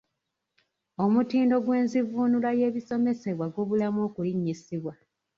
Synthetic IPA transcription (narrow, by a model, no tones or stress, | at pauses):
o̞mutiːndo̞ɡwe̞ːnzivuːnulaje̞ːβiso̞me̞se̞βwaɡo̞ːβulamo̞ːkuliɲːisiβwa